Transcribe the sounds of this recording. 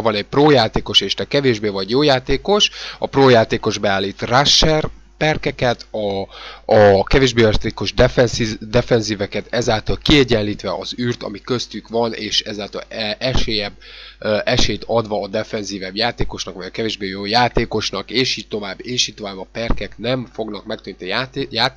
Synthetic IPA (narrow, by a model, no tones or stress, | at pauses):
vɒnɛɟ̚proːjaːt̪eːko̞ʃeːʃt̪ɛkɛveːʒbeːvɒɟjoːjaːt̪eːko̞ʃɒ̰proːjaːt̪eːko̞ʒbɛaːlːiːt̪raʃːɛr | pɛrkɛkɛt̪ʰɒː | kɛveːʒbeːjat̪eːko̞ʒd̪ɛfɛnzid̪ɛfɛnziːvɛkɛt̪ɛzaːlt̪ɒlkiɛɟɛnliːt̪ʋɛʔɒzyːrt̪ɒ̰mikø̞st̪ykvɒneːʃɛzaːlt̪ɒ̰lɛɛʃeːjɛbʔɛʃeːjt̪ʰɒd̪ʋɒːd̪ɛfɛnziːvɛbjaːt̪eːko̞ʃnɒkʋɒɟɒkɛveːʒbeːjoːjaːt̪eːko̞ʃnɒkeːʃiːc̚t̪o̞vaːbːeːʃiːt̪ovaːbɒpɛrkɛknɛɱfo̞ɡnɒk̚mɛkt̪ynt̪ijtjaː